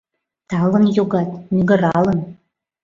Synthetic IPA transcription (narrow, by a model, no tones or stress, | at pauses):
t̪ɑlɤ̆njoɡɑt̪nʲyɡə̆ɾɑlɤ̆n